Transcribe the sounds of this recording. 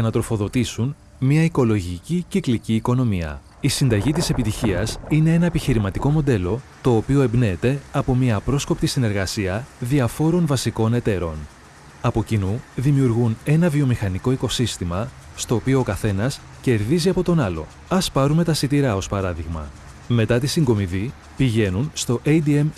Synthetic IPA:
ʝɐnɐt̪ɾo̞fo̞ðo̞t̪isun | mɐiko̞lo̞ʝicicikliciːko̞no̞miɐ̰ | isind̪ɐʝit̪ise̞pit̪içiɐsine̞e̞nɐepiçiɾimɐt̪iko̞mo̞d̪e̞lo̞t̪o̞ːpio̞e̞mbne̞ːt̪e̞ɐpo̞mɲiɐːpɾo̞sko̞pt̪isine̞ɾɣɐsiɐðiɐfo̞ɾo̞nvɐsiko̞ne̞t̪e̞ɾo̞n | ɐpo̞cinuðimiuɾɣune̞nɐviomixɐniko̞iko̞sist̪imɐ | st̪o̞ːpio̞ːkɐθe̞nɐs | ce̞ɾðiziɐpo̞t̪o̞nɐlo̞̰ | ɐspɐɾume̞t̪ɐsit̪iɾɐo̞spɐɾɐðiɣmɐ̰ | me̞t̪ɐt̪isiŋɡo̞miði | piʝe̞nunst̪o̞ʔed̪iem

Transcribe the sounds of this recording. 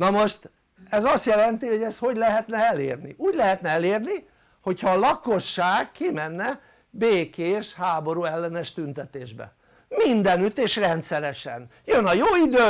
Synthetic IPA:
nɒmo̞ʃt̪ | ɛzɒst̪jɛlɛnt̪iho̞ɟɛst̪ho̞ɟlɛɦɛt̪nɛɛlḛːrnḭʔuːɟlɛɦɛt̪nɛɛleːrni | ho̞chɒːlɒko̞ʃːaːkkimɛnːɛ | beːkeːʃhaːbo̞ɾuɛlːɛnɛʃt̪ynt̪ɛt̪eːʒbɛ̰ | mind̪ɛnyt̪eːʃrɛnt̪sɛɾɛʃɛ̰njønɒjoːid̪øː

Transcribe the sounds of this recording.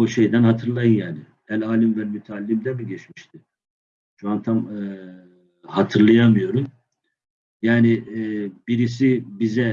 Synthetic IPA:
oʃejd̪ænhat̪ʰɯɾlˠajɯnjaːnɪ | ɛlʲaːlʲimvɛlmyt̪ʰɛːlʲːimd̪ɛmiɟɛt͡ʃmiʃt̪ʰɪ | ʃuant̪ʰamɯ | hat̪ʰɯɾlˠajamɯjo̞ɾum | jaːnɪbiɾis̬ibizɛ

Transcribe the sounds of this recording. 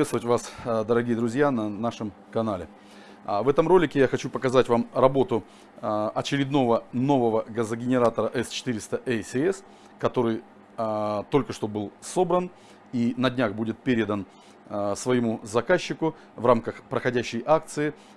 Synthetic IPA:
et̪st̪əvətʲvasd̪əɾɐɡʲijəd̪ɾʊzʲjanɐnaʂɨm | kɐnalʲɪ | vɛt̪əmro̞lʲɪkʲɪjaxɐt͡ɕupəkɐzatʲvamrɐbo̞t̪ʊ | ɐt͡ɕɪɾʲɪd̪no̞vəno̞vəvəɡəzəɡʲɪnʲɪɾat̪əɾəʔɛst͡ɕɪ̥t̪ɨɾʲɪst̪əʔɛsʲɪɛs | kɐt̪o̞ɾɨj | t̪o̞lʲkəʂt̪obɨlˠso̞bɾən | inɐdʲnʲaxbudʲɪt̪̚pʲeɾʲɪd̪ən | svəjɪmuzɐkaɕːɪkʊ | vramkəxpɾəxɐdʲæɕːɪjʔak̚t̪sɨɪ

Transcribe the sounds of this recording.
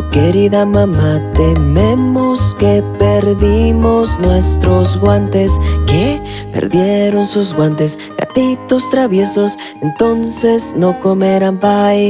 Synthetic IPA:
ke̞ɾiðamãmat̪e̞me̞mo̞ske̞pe̞ɾðimo̞znwe̞st̪ɾo̞zɣwant̪e̞ske | pḛɾðje̞ɾo̞nsuzɣwant̪e̞s | ɡa̰t̪it̪o̞st̪ɾaβje̞so̞s | e̞nt̪o̞nse̞zno̞ko̞meɾampaj

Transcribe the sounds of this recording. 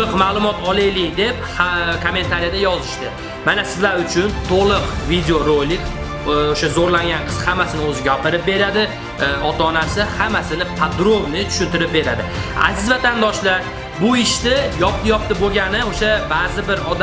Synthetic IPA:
ɨqmaːlˠʊmɒt̪ʰɒlˠɪjlɪd̪e̞p̚hkʰome̞nt̪ʰaɾijad̪ajɒzɪʃt̪ɪ | manasɪzlaɾʊt͡ʃʰʊnt̪ʰolˠɨqvid̪eoɾolːɪkʲ | oʃazoɾlaŋʲanqʰɨz̥hamːasɪnɪɵzɪɡʲapɪɾɪp̚be̞ɾad̪ɪ | ɒt̪aːnasɪhamːasɪnɪpʰad̪ɾobnɪt̪ʰʊ̥ʃʊnt̪ɪɾɪp̚be̞ɾad̪ɪa̰zɪzvat̪ʰand̪ɒʃlaɾ | bʊɪʃt̪ɪjɒp̚t̪jɒp̚t̪ɪboɡʲanɪoʃabazɪbɪɾɒd̪

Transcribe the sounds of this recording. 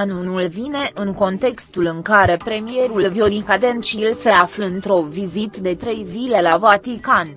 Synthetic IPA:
anunulvine̞ʔɨŋko̞nt̪e̞kst̪ulɨŋkaɾe̞pɾe̞mije̞ɾulvjoɾikad̪ent͡ʃilseafləɨnt̪ɾo̞vizit̪d̪e̞t̪ɾe̞jzile̞lavat̪ikan

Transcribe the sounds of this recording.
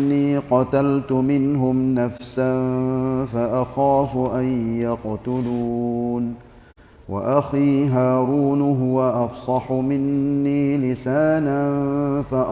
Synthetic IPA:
nːiːqɑt̪alt̪ʊmɪnɦʊmnafsanfaʔaxaːfʊʔajjɑqt̪ʊluːn | wa̰ʔaxiːɦaːɾuːnɦʊwaʔɑfsˤɑħʊmɪnːiːlɪsaːnanfaʔ

